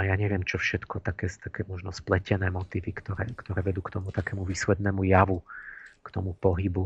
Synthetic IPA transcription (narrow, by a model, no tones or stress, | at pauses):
ajaɲɛʋɪɛmt͡ʃɔfʃɛt̪kʰɔt̪akɛːst̪akɛːmɔʒnɔsplɛcɛnɛːmɔt̪iːʋikt̪ɔɾɛːkt̪ɔɾɛːʋɛd̪uːkt̪ɔmut̪akɛmuʋiːslɛd̪nɛmujaʋukt̪ɔmupɔɦibu